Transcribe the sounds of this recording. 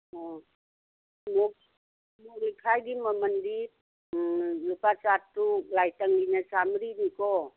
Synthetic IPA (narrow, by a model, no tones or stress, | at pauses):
ɔ | mɔ | moklikʰajdimamandi | lupasatːuk̚lajtaŋlinasamɾinikɔ